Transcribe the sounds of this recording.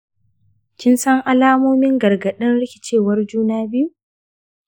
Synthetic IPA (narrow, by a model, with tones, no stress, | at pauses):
kʲɪ˦nsɐ˦ŋʔa˦laː˦moː˦mɪ˦ŋɡɐ˨rɡɐ˨ɗɪ˦nɽɪ˦kʲɪ˨t͡ʃeː˦˨wɐ˦rd͡ʒuː˦naː˦bɪ˦ju˦